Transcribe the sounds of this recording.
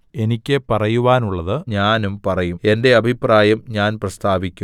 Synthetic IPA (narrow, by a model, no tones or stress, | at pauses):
e̞nikʲːɨpɐrɐjuʋaːnuɭːɐðɨɲaːnumpɐrɐjume̞nde̞ɐbʱipraːjɐmɲaːnprɐst̪aːʋikʲːu